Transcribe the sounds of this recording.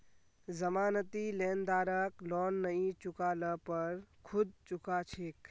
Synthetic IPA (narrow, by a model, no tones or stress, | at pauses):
zɐmaːnət̪ileːnd̪aːɾəklɔːnːəĩt͡ʃʊkaːləpɐɾkʰʊd̪̚t͡ʃʊkaːt͡ʃʰek